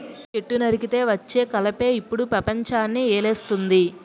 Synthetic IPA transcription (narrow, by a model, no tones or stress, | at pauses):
t͡ʃe̞ʈːunɐɾikit̪e̞ːʋɐt͡ʃːeːkɐlɐpe̞ːipːuɽupɾɐpɐɲt͡ʃaːnːiɛːleːst̪und̪i